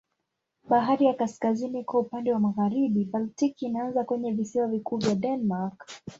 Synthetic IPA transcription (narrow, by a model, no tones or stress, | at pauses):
ɓaɦaɾijakaskazinikwaupandɛwamaɣaɾiɓibaltikinaanzakwɛɲɛvisiwavikuːvjaɗɛnmak